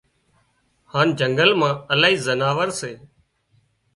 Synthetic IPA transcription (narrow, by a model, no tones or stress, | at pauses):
haːnd͡ʒəŋɡəlmãːəlaːɦiːzənaːʋəɾseː